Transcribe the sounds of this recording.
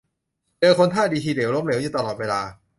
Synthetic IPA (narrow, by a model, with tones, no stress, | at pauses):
t͡ɕɤː˧kʰo˧nt̪ʰaː˥˩diː˧t͡ɕʰiː˧de˩˦wlo˧˦˥mleː˩˦ɲuː˨˩t̪a˧lɔː˨˩t̪̚weː˧laː˧